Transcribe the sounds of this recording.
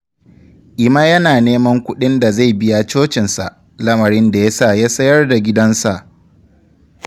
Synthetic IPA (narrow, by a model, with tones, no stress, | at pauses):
ʔɪ˨ma˦jɐ˦naː˨neː˦mɐ˦ŋkʷʊ˦ɗɪ˦nda˨za˦˨jbɪ˦ja˨t͡ʃoː˦t͡ʃɪ˨nsa˨ʔ | lɐ˦mɐ˨ɽɪ˦nda˨ja˦saː˦˨jaː˦sɐ˦jɐ˦rda˨ɡʲɪ˦dɐ˦nsa˨ʔ